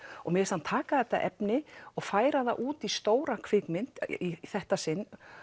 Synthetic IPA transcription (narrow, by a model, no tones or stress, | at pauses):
ɔɣmɛsant̪ʰaːkaðɛht̪ːa̰ʔɛ̰pnɪɔɣfaːjɾaða̰ʔuːt̪ist̪oːwɾakʰv̥ɪkmɪn̥t̪iθɛht̪asɪnː